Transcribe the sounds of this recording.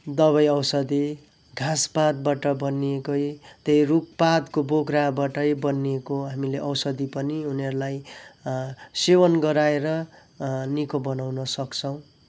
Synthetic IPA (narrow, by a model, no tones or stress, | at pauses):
d̪ʌβʌjʌwsʌd̪i | ɡʱãspad̪̚baʈʌbʌnːiekʌjt̪ʌjruk̚pad̪koboɡrabaʈʌjbʌnːiekoɦamileʔʌwsʌd̪ipʌniuneɾulaj | sewʌnɡʌɾaeɾʌ | nikobʌnawnʌsʌkt͡sʰʌw̃